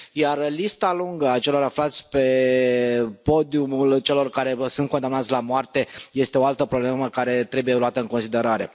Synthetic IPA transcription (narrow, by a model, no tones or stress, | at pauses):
jarlist̪aluŋɡəat͡ʃe̞lo̞ɾaflat̪sʲpe̞ | po̞d̪iumult͡ʃe̞lo̞rkaɾe̞sunt̪̚kond̪amnat̪sʲlamoart̪e̞je̞st̪e̞o̞alt̪əpɾobleməkaɾe̞t̪ɾe̞buje̞luat̪əɨŋko̞nsid̪e̞ɾaɾe̞̰